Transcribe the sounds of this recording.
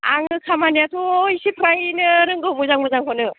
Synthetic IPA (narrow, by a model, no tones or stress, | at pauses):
aŋnɯsʰamaniatʰɔisipʰɾajnɯɾɯŋɡɯmuzaŋmɯzaŋkʰɔnɯ